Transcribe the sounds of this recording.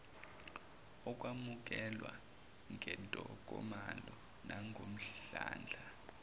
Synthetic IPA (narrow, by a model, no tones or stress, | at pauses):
ɔk̬ʼwamuk̬ʼɛlwa̰ | ŋʱɛntʼɔk̬ʼɔmalɔ | nʔaŋɡʱom̩ɬɬa̰ːnd͡ɮʱa